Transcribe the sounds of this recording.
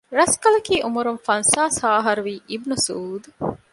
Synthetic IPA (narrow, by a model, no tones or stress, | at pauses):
ɾɐskɐlɐkiːʔumuɾunfɐnsaːsaːɦɐɾuʋiːʔibnusuːd̪u